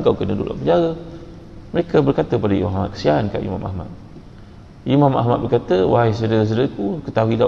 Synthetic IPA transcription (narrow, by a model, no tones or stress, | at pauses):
ŋkawkənədṵlʔa̰ʔpəɲd͡ʒaɾə | məɾekabərkat̪əəpadaḭma̰ama̰t̪̚kə̥sianka̰ʔḭmã̰ma̰hma̰t̪̚ | ʔimãma̰ɦmat̪̚bərkat̪əwaɦajs̬ədəs̬ədəkukət̪aɦuila